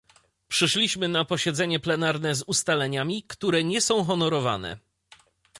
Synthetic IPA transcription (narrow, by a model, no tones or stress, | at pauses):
pʂɘʂlʲiɕmɘnapɔɕɛd̪zɛɲɛplɛnaɾnɛzust̪alɛɲamʲikt̪uɾɛɲɛsɔ̃w̃xɔnɔɾɔva̰nɛ̰